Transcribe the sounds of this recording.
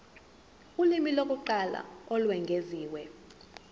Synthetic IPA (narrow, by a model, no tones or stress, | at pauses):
ulimilokʼuǃala̰ɔlwɛŋɡʱeziːwɛ